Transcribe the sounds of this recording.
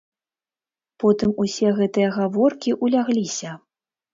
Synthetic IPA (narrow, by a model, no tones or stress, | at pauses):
pɔt̪ɨmusʲɛɣɛt̪ɨjɐɣavɔrkʲiʔulʲaɣlʲisʲɐ